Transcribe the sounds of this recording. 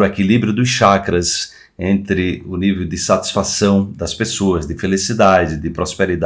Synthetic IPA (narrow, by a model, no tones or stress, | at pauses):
ʊekilibɾjʊd̪ʊsʃakɾɐs | ẽnt̪ɾɪʊnivewd̪ɪsat̪i̥sfasɐ̃w̃d̪ɐspesoɐzd̪ɪfelisid̪ad͡ʒɪd̪ɪpɾospeɾid̪a